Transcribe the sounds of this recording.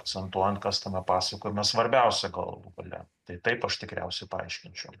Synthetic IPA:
ɐk̪sʲɛnt̪uɔjɛnt̪kɐst̪ɐmʲɛpɑːsɐkoːjomʲɛssʋɐɾʲbʲɛʊsʲɛɡɐ̰lˠuɡɐ̰lʲɛ̰t̪ɐɪt̪ɐɪpɐʃt̪ʲɪkɾʲɛ̰ʊsʲɛɪpɐɐ̰ɪʃʲkʲɪnʲt͡ʃʲɛʊm

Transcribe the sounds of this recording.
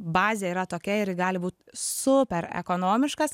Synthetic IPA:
bɑːzʲeiːɾɐt̪oːkʲɛɪɾɪɡɑːlʲɪbuːt̪sʊpʲɛɾɛ̰koːnoːmʲɪʃkɐs

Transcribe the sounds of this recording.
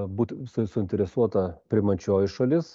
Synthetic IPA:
buːt̪ʲsʊsʊɪnʲt̪ʲɛɾʲɛsuɔt̪ɐpʲɾʲɪmɐt͡ʃʲoːjɪʃɐlʲɪs

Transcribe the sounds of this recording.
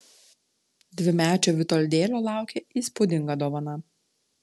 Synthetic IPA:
d̪ʲʋʲɪmʲæːt͡ʃʲoːʋʲɪt̪ɔlʲd̪ʲeːlʲoːlˠɑˑʊkʲeːiːspʊd̪ʲɪŋɡɐd̪oːʋɐnɐ

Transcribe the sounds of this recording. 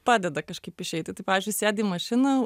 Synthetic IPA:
pɑːd̪ʲɛd̪ɐkɐʃkɐɪpɪʃʲɛɪt̪ʲɪt̪ɐɪpɑːʋʲɪːzʲd͡ʒʲʊɪsʲæːd̪ʲiːmɐʃʲɪnɐ

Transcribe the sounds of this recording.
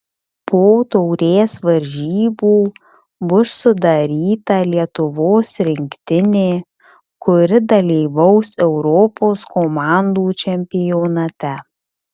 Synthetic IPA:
poːt̪ɔʊɾʲeːsʋɐɾʲʒʲiːbuː | bʊʃsʊd̪ɐɾʲiːt̪ɐlʲiɛt̪ʊʋoːsɾʲɪŋʲkt̪ʲɪnʲeː | kʊɾʲɪd̪ɐlʲiːʋɐʊsɛʊɾɔːpoːskomɑˑnd̪uːt͡ʃʲɛmʲpʲɪjonɐt̪ʲɛ

